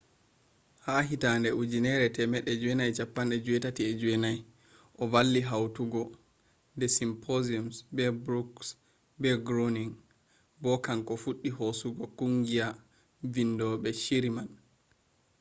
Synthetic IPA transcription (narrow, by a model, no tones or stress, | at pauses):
haɦitandɛʔud͡ʒinɛɾɛtɛmɛɗːɛd͡ʒuɛnajt͡ʃapːanɗɛd͡ʒuwɛtatiɛd͡ʒuɛnaj | ʔɔvalːiɦawtuɡɔ | ndɛsimpʰoziumsbɛbɾuks | bɛɡɾoniŋ | bɔkaŋkɔfuɗːihosuɡɔkuŋɡia | vindɔɓɛʃiɾiman